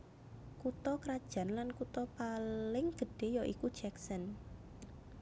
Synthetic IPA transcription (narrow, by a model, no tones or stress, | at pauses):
kut̪ɔkɾad̥ʒ̥ä̤nlankut̪ɔpalɪŋɡ̥ə̤ɖ̥e̤jɔʔikud̥ʒ̥ɛksən